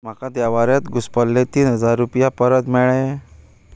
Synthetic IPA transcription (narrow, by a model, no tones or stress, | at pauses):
m̤akad̪aʋaɾjat̪ɡuspəlːet̪iːnɦəd͡zaɾːupjapəɾət̪mɛɭe